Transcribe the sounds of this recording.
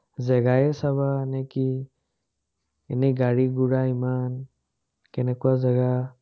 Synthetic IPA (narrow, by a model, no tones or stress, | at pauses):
zɛɡajɛsabanɛki | ɛnɛɡaɹiɡuɹaiman | kɛnɛkuwazɛɡa